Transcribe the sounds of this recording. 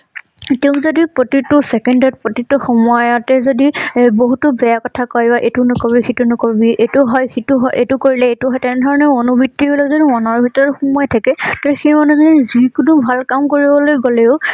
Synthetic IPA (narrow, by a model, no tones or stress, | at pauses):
teʊ̃zodipɹotitʊsɛkɛndɔt̚pɹotitʊxɔmɔjɔtɛzodiboɦutʊbɛjakɔtʰakɔjbaʔetunʊkɔbixitunʊkɔbiʔetuɦɔjxituɦɔjʔḛtʊkoɹilɛetʊɦɔjtɛnɛdʱɔɹɔnɛonubitːibɔlɔzodiɔnɔɹbʱitɔɹɔtxɔmɔjtʰakɛtatɛxemɔnɛzɔdiizikunubʱalkamkoɹibɔlojɡolɛʊ